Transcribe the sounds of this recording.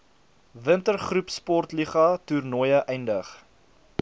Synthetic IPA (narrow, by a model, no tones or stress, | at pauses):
vəntərχrupspɔrtliχɐturnɔjəʔɛjndəχ